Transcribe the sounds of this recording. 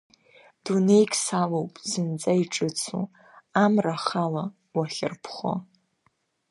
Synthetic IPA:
d̥une̞jkʲʼsalowpʼzɨnt͡sʼaiʈ͡ʂʼɨt͡sʰṵ | amraχala | waχʲɪrpʰχo̰

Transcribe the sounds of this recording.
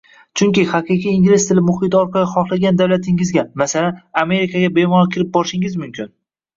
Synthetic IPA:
t͡ʃʰʊŋkʲɪhɑqʰɨqʰijiŋɡʲlɪst̪ʰɪlɪmʊhɪt̪ɒɾqɑlɪχɒχlˠaɡʲand̪awlat̪ʰɪŋɪzɡʲamasalaname̞ɾikʰaɡʲabe̞mɒɾkʲʰɪlɪp̚bɒɾʃɪŋɪzmʊmkʲʰɪn

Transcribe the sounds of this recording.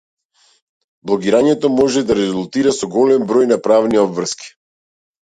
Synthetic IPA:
blˠɔɡiɾaɲɛt̪ɔmɔʒɛd̪aɾɛzulˠt̪iɾasɔɡɔlɛmbɾɔjnapɾavniɔbvr̩ski̥

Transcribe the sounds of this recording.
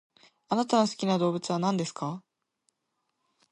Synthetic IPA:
anat̪ano̞sɨ̥kʲinad̪o̞ːbɯ̟t͡sɨβ̞anãnd̪e̞sɨ̥ka

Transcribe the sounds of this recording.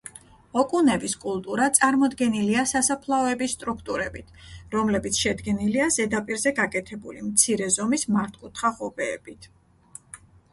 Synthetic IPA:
ɔkʼunɛbiskʼulˠt̪ʼuɾat̪sʼaɾmɔd̪ɡɛniliasasapʰlˠaɔɛbisːt̪ʼɾukʰt̪ʼuɾɛbit̪ʰɾɔmlɛbit̪sʰʃɛd̪ɡɛniliazɛd̪apʼiɾzɛɡakʼɛt̪ʰɛbṵlimt̪sʰiɾɛzɔmismaɾt̪ʰkʼut̪ʰχaʁɔbɛːb̥it̪ʰ

